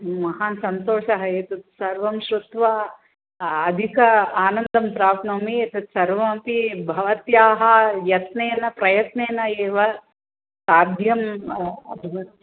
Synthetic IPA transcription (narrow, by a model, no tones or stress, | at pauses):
mɐɦaːnsɐnt̪oːʂɐɦɐeːt̪ɐt̪sɐɾʋɐmʃɾut̪ʋa | ɐd̪ʱikɐaːnɐnd̪ɐmpɾaːp̪nɐmiet̪ɐt̪sɐɾʋɐpibʱɐʋɐt̪jaːɦɐjɐt̪neːnɐpɾɐjɐt̪neːnɐeːʋɐ | saːd̪ʱjɐmɐ̰bʱɐʋɐt̪